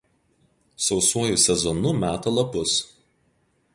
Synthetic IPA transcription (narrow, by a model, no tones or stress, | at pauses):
sɒʊsuɔjusʲɛzɔnʊmʲæːt̪ɐlˠɐpʊs